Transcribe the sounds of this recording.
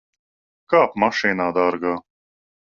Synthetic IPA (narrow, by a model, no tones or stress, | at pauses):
kaːpmaʂeːnaːd̪aːɾɡaː